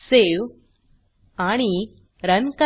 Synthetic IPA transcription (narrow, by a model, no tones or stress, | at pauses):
sew | aɽ̃i | ɾənkɐ